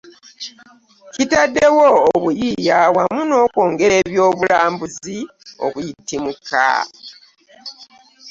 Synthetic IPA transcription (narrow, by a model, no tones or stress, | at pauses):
citadːe̞woːβujijaβwamuno̞ːko̞ːŋɡe̞ɾe̞ːβjo̞ːβulaːmbuzi | o̞̰kujitimukʰːa̰